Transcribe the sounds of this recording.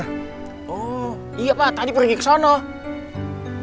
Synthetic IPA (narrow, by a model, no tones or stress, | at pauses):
ɔ | ijapat̪adipərɡiksɔnɔ